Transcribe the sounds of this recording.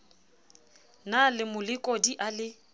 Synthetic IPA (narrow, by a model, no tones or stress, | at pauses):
nalɪmʊlɪkʼɔdiʔalɪ